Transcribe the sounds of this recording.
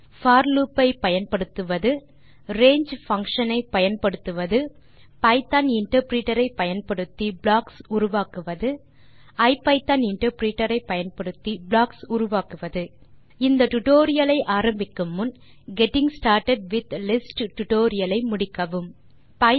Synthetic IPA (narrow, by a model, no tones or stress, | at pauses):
faːɾluːpːɐɪpɐjɐnpɐɽɯt̪ːɯʋɐðɯ | ɾeːɲd͡ʒfɐŋkʂɐnɐɪpɐjɐnpɐɽɯt̪ːɯʋɐðɯ | pɐɪt̪aːnɪɳʈɐɾpɾiːʈɐɾɐɪpɐjɐnpɐɽɯt̪ːibɭaːksʊɾʊʋaːkɯʋɐðɯ | ɐɪpːɐɪt̪ɐnɪɳʈɐɾpɾiːʈɐɾɐɪpːɐjɐnpɐɽɯt̪ːibɭaːksʊɾʊʋaːkɯʋɐðɯ | ɪnd̪ɐʈʊʈoːɾɪjɐlɐɪʔaːɾɐmbɪkːɯmɯn | ɡɛʈɪŋsʈaːɾʈɐɖ̚ʋɪt̪lɪsʈʈʊʈoːɾɪjɐlɐɪmʊɽɪkːɐʋɯm | pɐɪ